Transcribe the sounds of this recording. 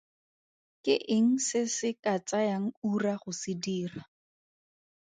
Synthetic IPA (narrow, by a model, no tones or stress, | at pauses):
kɪʔɪŋ̩sɪsɪkat͡sajaŋ̩uraχʊsɪdiːra